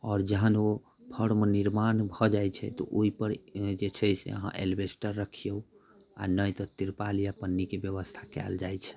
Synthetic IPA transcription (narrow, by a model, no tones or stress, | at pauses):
ɔːɾd͡ʒəɦəno | pʰəɽmeniɾmanbʱɔd͡ʒajt͡ʃʰɛ̰t̪ɔ̰ʔoipəɾd͡ʒet͡ʃʰəjsḛəɦã̰ʔḛlbesʈəɾːəkʰijəu | a̰nəjt̪ɔt̪iɾpalijapənːikebjəβəst̪ʰakɛ̰ld͡ʒajt͡ʃʰɛ̥